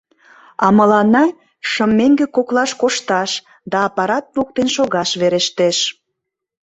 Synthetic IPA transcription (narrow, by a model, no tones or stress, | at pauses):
ɑmə̆lɑnɑ | ʃə̆mːeŋɡekoklɑʃkoʃt̪ɑʃ | d̪ɑːpɑɾɑt̪̚luk̚t̪enʃoɣɑʃβeɾeʃt̪eʃ